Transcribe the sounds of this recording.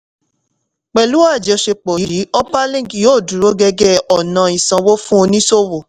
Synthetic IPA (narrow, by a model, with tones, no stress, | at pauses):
k͡pɛ˨lu˦wa˦˨d͡ʒɛ˨ɔ˧ʃe˧k͡pɔ˨i˦i˨˦ɔ˦pa˦lĩ˦˨ɡi˨joː˦˨du˨ɾo˦ɡɛ˧ɡɛ˦ɔ˨nã˨ĩ˨sã˧wo˦fũ˦o˧nĩ˦so˦wo˨